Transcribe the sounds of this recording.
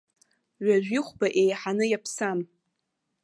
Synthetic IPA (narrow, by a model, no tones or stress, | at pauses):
ɥaʒᶣʷiχʷbaʔejħanɨjapʰsam